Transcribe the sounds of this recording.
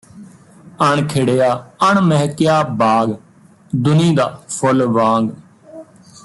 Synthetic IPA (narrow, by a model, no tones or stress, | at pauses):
əɳkʰɪɽeːjaːəɳməɦkɪjaːbaːɡ | d̪ʊnĩːd̪aːpʰʊlʋãːŋɡ